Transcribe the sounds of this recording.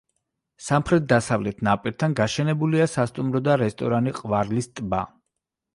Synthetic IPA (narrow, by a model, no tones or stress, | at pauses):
samχɾɛt̪̚d̪asavlɛt̪ʰnapʼiɾt̪ʰanɡaʃɛnɛbuliasast̪ʼumɾɔd̪aɾɛst̪ʼɔɾaniqʼvaɾlist̪ʼba̰